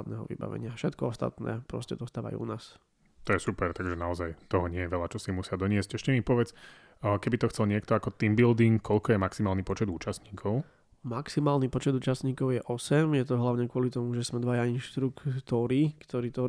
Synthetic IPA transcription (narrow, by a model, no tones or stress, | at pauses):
d̪nɛ̰ːɦɔ̰ʋḭba̰ʋɛ̰ɲɪafʃɛt̪kɔɔst̪a̰t̪nɛ̰ːpɾɔ̰scɛd̪ɔst̪aːʋa̰jṵṵnaːs | t̪ɔjɛsupɛɾt̪aɡʒɛnaɔzajt̪ɔɦɔɲɪɛjɛʋɛlat͡ʃɔsimusɪad̪ɔɲɪɛscɛʃcɛmipɔʋɛt͡sː | kɛbit̪ɔxt͡sɛlɲɪɛkt̪ɔakɔt̪imbild̪iŋkkʰːɔʎkɔjɛmaksimaːlnipɔt͡ʃɛd̪uːt͡ʃasɲiːkʰɔʊ | maksimaːlnipɔt͡ʃɛd̪uːt͡ʃast̪ɲiːkɔʊjɛʔɔsɛmjɛt̪̬ɔɦlaʊɲɛkʊɔlit̪ɔmuʒɛzmɛd̪ʋajainʃt̪ɾukt̪ɔɾikt̪ɔɾiːt̪ɔ